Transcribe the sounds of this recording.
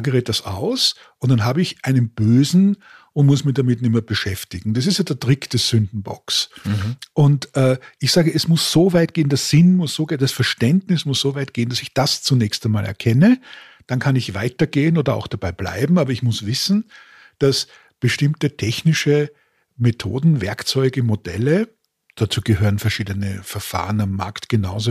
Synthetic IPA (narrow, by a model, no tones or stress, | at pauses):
ɡəʁet̚d̥asa̰ʊs | ʔʊntd̥anɦaːbəɪçʔaɪnənb̥øːzn̩ | ʊntmʊsmɪçd̥amɪtnɪmɐb̥əʃɛftɪɡŋ̩d̥as̬ɪstjaːdɛɐtʁɪkd̥ɛsz̥ʏndn̩bɔ̰ks | ʔʊntʔɛːʔɪçz̥aːɡəɛsmʊsz̥oːvaɪt̚ɡ̥eːəndɐsz̥ɪnmʊsz̥oːɡed̥asfɛɐʃtɛndnɪsmʊsz̥ovaɪt̚ɡ̥eːənd̥asɪçd̥ast͡sunɛːçstaɪnmaːlʔɛ̰ɐkʰɛnə | d̥ankʰanɪçv̥aɪtɐɡeːənoːdɐa̰ʊxd̥ab̥aɪb̥la̰ɪbm̩aːbɐɪçmʊsv̥ɪsn̩ | d̥as | b̥əʃtɪmtətʰɛçnɪʃə | metʰo̰ːdn̩vɛɐkt͡sɔʏɡəmod̥ɛ̰lə | d̥at͡suːɡ̥əɦøːʁənfɛɐʃiːdənəfɛɐfa̰ːʁənamːa̰ɐktɡ̥ənaʊzo